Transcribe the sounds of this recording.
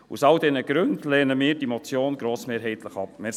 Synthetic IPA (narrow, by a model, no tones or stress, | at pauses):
ṵsɑldɛnəɡ̥ɾɵndlɛːnəmiːɾd̥imɔt͡sjoːnɡɾoːsmeːɾɦɛɪt̪ləχɑpme